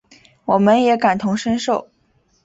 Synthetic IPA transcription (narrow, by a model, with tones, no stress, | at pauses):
wɔ˨˩mə˦njɛ˧˥ka˨˩nt̪ʰʊ˧˥ŋʂə˥nʂo˥˩ʊ